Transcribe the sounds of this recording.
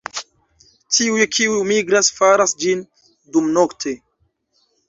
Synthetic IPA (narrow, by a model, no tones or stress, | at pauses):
tʰiujkʰiujmiɡɾasfaɾasd͡ʒin | dumnoktʰe